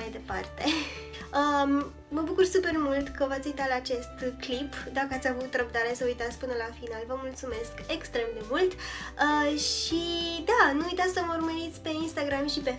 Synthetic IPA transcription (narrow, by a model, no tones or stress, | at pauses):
ajd̪e̞pa̰rt̪e̞ | ə | məbukursupe̞rmult̪kəvat̪sʲujt̪alaːt͡ʃe̞st̪klipd̪akəat̪sʲavut̪ɾəbd̪aɾesəujt̪at̪sʲkpɨnəlafinalvəmult̪sume̞ske̞kst̪ɾe̞md̪e̞mult̪əʃid̪anuujt̪at̪sʲsəməurməɾit̪sʲpe̞inst̪aɡɾamʃipe̞